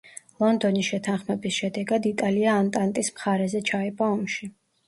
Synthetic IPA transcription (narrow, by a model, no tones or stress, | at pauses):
lˠɔnd̪ɔnisʃɛt̪ʰanχmɛbisʃɛd̪ɛɡad̪it̪ʼaliaːnt̪ʼant̪ʼismχaɾɛzɛt͡ʃʰaɛbʼaɔmʃi